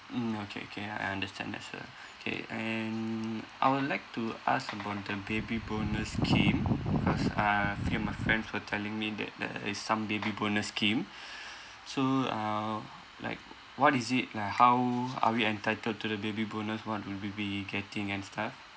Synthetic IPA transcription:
m̩okʰḛo̰kʰea̰jãndəstʰɛ̰̃ndɛ̰tsə̰ | okʰḛɛ̃nʔa̰jwudlaɪk̚tua̰skəbaʊt̚dəbebibonəskʰĩmbikʰɔsafimaɪfɹɛ̃ndswətʰɛlĩŋmidɛ̰t̚dɛ̰isːãmbebibonəskĩm | soʌ | la̰ɪk̚ | wɔtizit̚laɪkhawa̰wiɛ̃ntaɪtəld̚tudəbebibonəswɔt̚wudwiwiɡɛtɪ̃ŋɛ̃nstʰaf

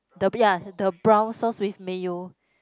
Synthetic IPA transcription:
dəjadəbɹãwsɔswifmejo

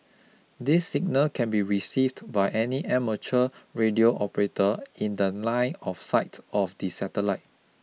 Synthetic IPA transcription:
disːiɡ̚nəlkʰɛ̃nbiɹisivdbaɪʔɛniʔɛmət͡ʃəɹedioʔɔpəɹetəĩndəlãɪ̃nɔfsaɪtɔfdisɛtəlaɪt̚

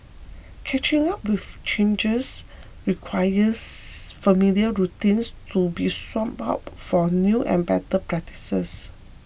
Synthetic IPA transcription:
kʰɛt͡ʃĩŋap̚wift͡ʃẽnd͡ʒəs | ɹikʰwajəsfəmiliəɹutĩnstʰubiswɔ̃ma̰p̚fɔnjuʔɛ̰̃nbɛtəpɹɛk̚ti̥səs

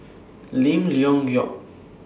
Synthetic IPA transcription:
limliɔŋjɔ̰ʔ

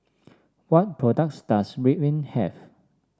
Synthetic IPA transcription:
wɔt̚pʰɹɔdək̚tsd̥asɹiʔlĩnhɛv

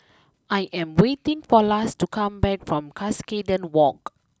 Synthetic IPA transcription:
ʔajʔɛ̃mwetĩŋfɔlastukʰãmbɛk̚fɹɔ̃mkʰaskedə̃nwɔk

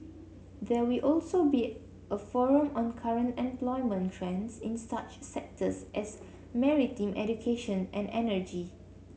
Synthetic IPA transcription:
d̪ɛwilʔɔlsobi | ʔəfɔɹə̃mɔ̃nkʰaɹə̃ntɛ̃mplɔjmə̃ntʰɹɛ̃nsĩnsat͡ʃsɛk̚tʰəsʔɛs | mɛɹitĩmʔɛ̰d͡ʒukʰeʃə̃nʔɛ̃nɛnəd͡ʒi

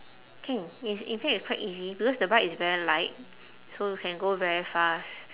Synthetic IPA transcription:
kʰɛ̃ŋisḭ̃nfɛk̚itskʰwaɪtizibikɔsdəbatisvɛɹilaɪt̚ | sojukʰɛ̃nɡovɛɹifast

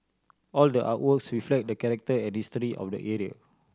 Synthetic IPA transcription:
ɔldəʔa̰twəksɹiflɛk̚dəkɛɹɛk̚təɛ̃nhistɾiʔɔ̰fdə̰ʔɛɹia̰

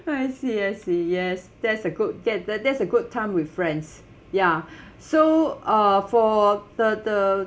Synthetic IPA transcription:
aɪsiɛsijɛs | dɛtsəɡud̚dɛt̚dɛdɛtsəɡud̚tʰãɪ̃mwɪθfɹɛ̃nds | ja | soʌfɔd̥ədə

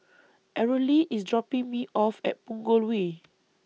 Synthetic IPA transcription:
ʔɛɹəliʔisdɹɔpĩŋmiʔɔfɛ̰t̚pũŋɡolwe

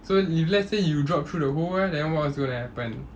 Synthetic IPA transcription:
soiflɛsejudɹɔp̚t̪ʰɹudəhowɛdɛ̃nwɔt̚ɪsɡõnuhɛpə̃n

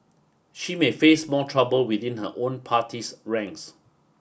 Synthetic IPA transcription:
ʃimefesmɔtʰɹabəlwiðĩnhə̰ʔõnpʰatʰisɹɛ̃ŋks

